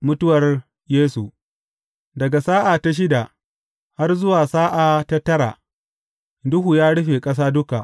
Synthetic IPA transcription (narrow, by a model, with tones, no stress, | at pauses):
mʊ˦tʊ˦wɐ˨r | jeː˦su˨ | dɐ˨ɡa˨saː˦ʔaː˨ta˦ʃ̬ɪ˦da˨ʔ | ha˦rzʊ˦waː˨saː˦ʔa˨ta˦tɐ˦ɽa̰˨ | dʊ˦ɦu˨jaː˦ɽʊ˦ɸeː˨kʼɐ˦s̬aː˦dʊ˦ka˨ʔ